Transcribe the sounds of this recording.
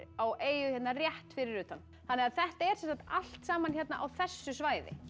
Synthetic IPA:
aweːjʏçjɛt̪narjɛht̪fɪɾɪɾʏːt̪anːθθanːɛɣaðθɛht̪aɛɾ̥sɛmsant̪al̥t̪saːmançjɛt̪na̰ʔawθɛsːʏsvaːjðɪ̰

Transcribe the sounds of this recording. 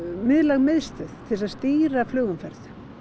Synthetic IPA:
mɪðlaɣmɪðst̪ʏθt̪ʰɪlsaðst̪iːɾaflʏːɣʏmfɛɾθ

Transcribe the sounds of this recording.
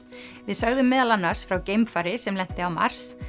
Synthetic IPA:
vɪðsœɣðʏmːɛːðalanːḁsfɾawcejmfaːɾɪsɛmlɛn̥t̪ɪawma̰ɾ̥s

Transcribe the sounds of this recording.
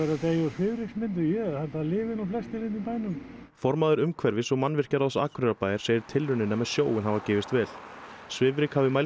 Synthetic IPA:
ɛɾat̪ejsvɪvɾɪksmɪnt̪̬ʏjɛhalt̪alɪːvɪnuflɛst̪ɪlɪnipaːjnʏm | fɔɾmaðʏɾʏmkʰvɛɾvɪsɔɣmanːvɪr̥caɾasa̰ːkʰɾʏɾapaːjɪɾ̥seːjɪɾ̥t̪ʰɪlːʏnːɪnɛːmɛsjoːwɪnɦavacɛːvɪst̪vɛːl̥svɪːvɾɪkhavɪmaj

